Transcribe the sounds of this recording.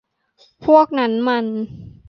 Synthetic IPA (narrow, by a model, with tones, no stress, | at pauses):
pʰu˥˩ək̚na˦˥nma˧n